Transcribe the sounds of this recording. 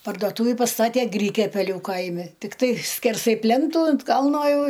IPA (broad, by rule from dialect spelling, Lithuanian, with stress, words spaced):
pɐrdoːˈtuːʋʲɪ pɐˈstɑːtʲeː ˈɡrʲɪkʲɛpʲɛlʲʊ ˈkɐɪmʲɪ tʲɪkˈtɐɪ sʲkʲɛrˈsɐɪ ˈpʲlʲɛntuː ɐnt ˈkɐlˠnoː ˈjɛʊ